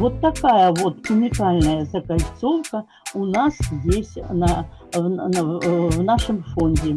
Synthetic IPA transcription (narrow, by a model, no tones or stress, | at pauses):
vot̪ːɐkajəvot̪kʊmʲɪkalʲnəjəzɐkajʲt̪sowkə | ʊnasjesʲtʲnɐ | vnaʂɨmfonʲdʲɪ